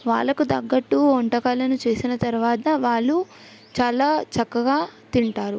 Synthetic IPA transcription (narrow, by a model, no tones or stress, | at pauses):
ʋa̰ːɭːɐkud̪ɐɡːɐʈːuɔɳʈɐkaːlɐnut͡ʃeːsinɐt̪ɐɾuʋaːt̪ɐʋaːɭːu | t͡ʃaːlaːt͡ʃɐkːɐɡaːt̪iɳʈaːɾu